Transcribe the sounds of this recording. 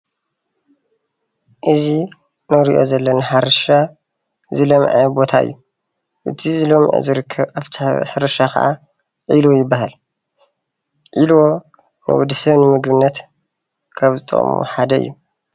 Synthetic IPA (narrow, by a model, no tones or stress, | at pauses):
ʔɨzi | nɐɾiʔo̞̰zɐlːɐnɨħaɾɐʃa | zɨlɐmʕɐbo̞t̪ʰaʔɨ̰jːu | ʔɨt̪ʰizɨlo̞mʕo̰zɨɾɨkʰːɐβʔaβt̪ʰiħɨɾɐʃakɐ̰ʔa̰ | ʕilojɪbːaɦal | ʕʔilwo̞ | nɨ̰wɔd̪ɨsɐβnɨmɨɡbɨnːɐt̪ | kʰaβzɨt̪ʼɨ̰χʼmṵħad̪ɐɨ̰jːu